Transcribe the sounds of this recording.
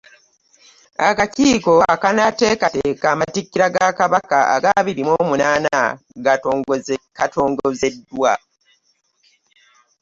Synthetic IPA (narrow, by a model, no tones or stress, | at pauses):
akaciːko̞akanate̞ːkateːkaːmatikːiɾaɡakaβakaa̰ɡaβiɾimoːmunaːna | ɡa | katʰoːŋɡoze̞dːwa̰